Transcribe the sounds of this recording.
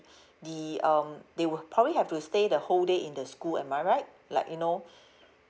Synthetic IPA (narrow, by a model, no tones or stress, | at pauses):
diʌ̃mdewupʰɹɔbəbliɦɛftustedəholdeʔĩndəskulɛ̰̃nmaɹaɪt̚ | la̰ɪkjuno